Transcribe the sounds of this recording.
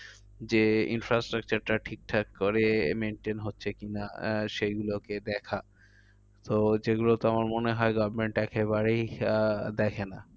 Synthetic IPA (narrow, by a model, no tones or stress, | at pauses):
d͡ʑeḭnfɾasʈɾak̚t͡ɕaɾʈaʈʰik̚ʈʰakkoɾemenʈenɦotːɕʰekinaʃejɡuloked̪ɛkʰa | t̪od͡ʑeɡulot̪oamaɾmoneɦɔeɡɔbɾmeɳʈɛkeβaɾejd̪ɛkʰena